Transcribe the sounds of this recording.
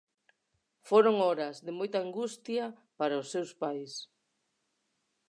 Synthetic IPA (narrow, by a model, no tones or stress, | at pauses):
foɾoŋɔɾɐzðɪmojt̪ɐːŋɡust̪jɐpaɾaʊsːewspajs